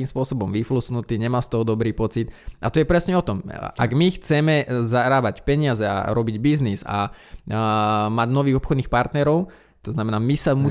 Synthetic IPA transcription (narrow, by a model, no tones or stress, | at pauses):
iːmspʊɔsɔbɔmʋiflusnut̪iːɲɛmaːst̪ɔɦɔd̪ɔbɾiːpɔt͡sit̪at̪ɔjɛpɾɛsɲɛɔt̪ɔmʔa̰ɡmixt͡sɛmɛzaɾaːbacpɛɲɪazɛa̰ɾɔbiɟbizniza̰ | maɟnɔʋiːɣɔpxɔd̪niːxpaɾt̪nɛɾɔʊ | t̪ɔznamɛnaːmisamu